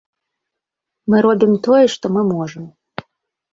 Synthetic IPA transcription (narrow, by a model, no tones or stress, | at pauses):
mɨɾobʲimt̪ojɛʂt̪omɨmoʐəm